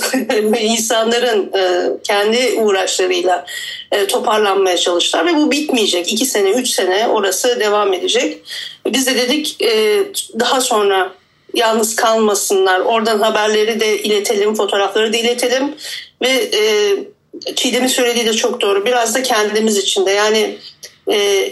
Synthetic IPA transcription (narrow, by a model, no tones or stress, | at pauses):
minsanlˠaɾɯnɯːcʰɛnd̪iʔuːɾaʃlˠaɾɯjlˠaː | t̪ʰo̞pʰaɾlˠanmajat͡ʃʰalˠɯʃlˠaɾvɛbubit̪mijed͡ʒɛcicʰise̞nɛyt͡ʃse̞nɛo̞ɾasɯd̪e̞vame̞d̪e̞d͡ʒɛcvɛbizd̪ɛd̪e̞d̪icɛːd̪aɦaso̞nɾa | jalˠnɯz̥kʰalˠmasɯnlˠaɾo̞ɾd̪anɦabæɾlʲe̞ɾid̪ɛʔilʲe̞t̪ʰe̞lʲimfo̞t̪ʰo̞ːɾaflˠaɾɯd̪ailʲe̞t̪ʰelʲimvɛɛː | t͡ʃʰijd̪emisø̞jlʲe̞d̪iːd̪ʲɛt͡ʃʰo̞k̚d̪o̞ːɾubiɾazd̪acʰɛnd̪d̪imizit͡ʃʰind̪ɛjaːnɪ | ɛː